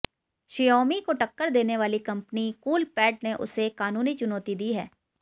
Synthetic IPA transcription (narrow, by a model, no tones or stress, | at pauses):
ʃijɔːmikoʈɐkːəɾd̪eːneʋaːlikɐ̃mpnikuːlpɛːʈ̚neʔʊ̰sekaːnuːnit͡ʃʊnɔːt̪id̪iːɦɛː